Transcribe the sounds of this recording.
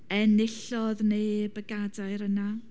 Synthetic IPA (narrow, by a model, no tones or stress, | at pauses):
ɛnɪɬɔðnejbəɡadaɨɾəna